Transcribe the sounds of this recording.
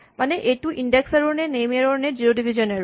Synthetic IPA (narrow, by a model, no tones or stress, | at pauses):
maneʔeʈuʔiɳɖeksaɾoɾnenejmeɾoɾned͡ʑioɖibʱid͡ʑone